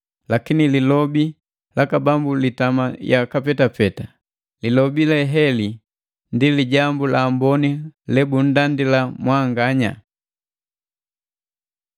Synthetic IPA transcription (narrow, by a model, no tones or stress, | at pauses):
lakinililɔbi | lakabambulitamajakapɛtapɛta | lilɔbilɛɦɛli | ndiliɟambulaːmbɔnilɛbun̩dandilamwaŋɡaɲa̰